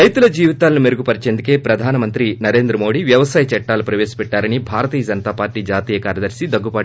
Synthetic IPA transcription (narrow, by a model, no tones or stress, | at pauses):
ɾɐjt̪ulɐd͡ʒiːʋit̪aːlɐnume̞ɾuɡupɐɾit͡ʃeːnd̪uke̞ːpɾɐd̪ʱaːnɐmɐnt̪ɾinɐɾe̞ːnd̪ɾɐmo̞ːɽiʋjɐʋɐsaːjɐt͡ʃɐʈːaːlupɾɐʋeːsi̥pɛʈːaːɾɐnibʱaːɾɐt̪iːjɐd͡ʒɐnɐt̪aːpaːɾʈːiːd͡ʒaːt̪iːjɐkaːɾjɐd̪ɐɾsid̪ɐɡːupɐː